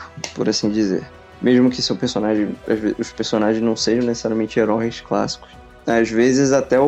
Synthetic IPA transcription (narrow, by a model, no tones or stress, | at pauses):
pʊɾasĩd͡ʒizḛɾ | meʒmʊkɪsʊpesonaʒẽj̃aʒveʊʃpeɾsonaʒẽj̃nɐ̃w̃seʒɐ̃w̃nese̥saɾjamẽnt͡ʃɪeɾɔẽjskla̰si̥kʊ̥s | azvezɪzat̪ɛ